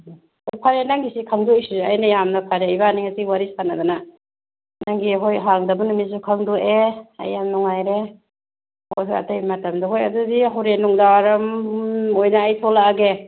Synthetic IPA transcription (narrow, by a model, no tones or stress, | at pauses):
ojpʰaɾenaŋɡisikʰaŋdujsizeajnɐjamnɐpʰaɾeibaniŋasiwaɾisanadana | naŋɡiɦojɦaŋdɐbanumis̬ukʰaŋduea̰jːamnuŋajɾe | ho̰jɦoja̰tajmɐtɐmdɐɦojɐdudiɦawɾenuŋdawaɾɐmojnaːjtʰɔlaaɡe